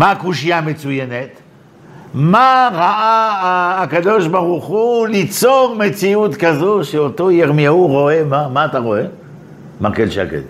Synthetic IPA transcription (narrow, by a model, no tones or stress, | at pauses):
makuʃijamet͡sujenet̪ | maʁaʔaː | kad̪o̞ʃbaʁuχulit͡soʁmet͡siut̪kazo̞ʃeot̪o̞jeʁmiauʁo̞e̞mamaːt̪aʁo̞e | makelʃa̰kḛl